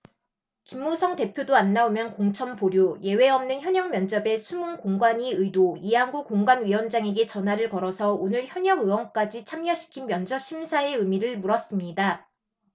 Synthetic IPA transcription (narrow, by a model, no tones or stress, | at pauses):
kimːusʰʌŋte̞pʰjodoanːaomjʌnkoŋt͡ɕʰʌmpoɾjoje̞we̞ʌmnɯnçjʌɲʌŋmjʌnd͡ʑʌbe̞sʰumunkoŋɡwaɲiɯidoiɦaŋɡukoŋɡwanɥiwʌnd͡ʑaŋe̞ɡe̞t͡ɕʌnɦaɾɯɭkʌɾʌsʰʌonɯɭçjʌɲʌɡɯwʌŋk͈ad͡ʑit͡ɕʰamɲʌɕʰi̥kʰinmjʌnd͡ʑʌɕ͈ʰimsʰae̞ɯmiɾɯɭmuɾʌs͈ɯmɲida